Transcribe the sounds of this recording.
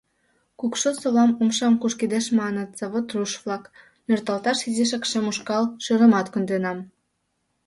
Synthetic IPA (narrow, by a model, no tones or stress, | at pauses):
kukʃosoβlɑmumʃɑmkuʃkid̪eʃmɑnət̪z̥ɑβot̪ruʃvlɑk | nørt̪ɑlt̪ɑʃiziʃ̬ɑkʃemuʃkɑlʃøɾə̆mɑt̪kund̪enɑm